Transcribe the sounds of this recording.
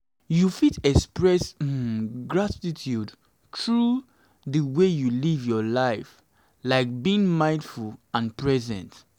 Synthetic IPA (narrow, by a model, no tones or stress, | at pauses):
jufitɛkspɹɛs | ɡɹatitʰjud | tɹu | ðəwejulivjɔlaɪf | laɪk̚biĩŋmãɪ̃ndfulãnpɹɛzɛ̰̃nt